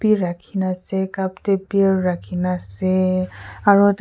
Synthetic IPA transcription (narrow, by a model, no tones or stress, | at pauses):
biɹakʰinasɛkaptebiaɹːakʰinasɛ | aɹut